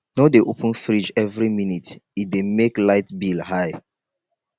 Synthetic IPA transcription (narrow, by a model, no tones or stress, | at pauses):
nɔdeʔopə̃nfɹid͡ʒɛvɹiminitit̚demeklaɪtbilhaj